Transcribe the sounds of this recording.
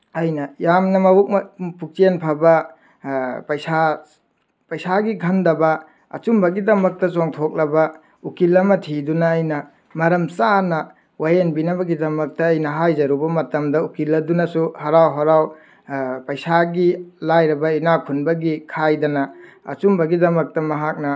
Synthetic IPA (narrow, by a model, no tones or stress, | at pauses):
ɐjnɐjamnɐmɐwuk̚mɐpuk̚t͡ʃenpʰɐbɐ | pɐjsa | pɐjsaɡiɡʰʱɐndɐbɐ | ɐ̰t͡ʃumbɐɡidɐmɐk̚tɐsoŋtʰok̚lɐbɐ | ukilːɐmɐtʰidunɐːjnɐ | mɐɾɐmsanɐ | wajenbinɐbɐɡidɐmɐk̚tɐːjnɐɦajzɐɾubɐmɐtɐmdɐukilːɐdunɐsuhɐɾawɦɐɾaw | pɐjsaɡilajɾɐbɐinakʰunbɐɡikʰajdɐnɐ | ɐ̰t͡ʃumbɐɡidɐmɐk̚tɐmɐɦak̚nɐ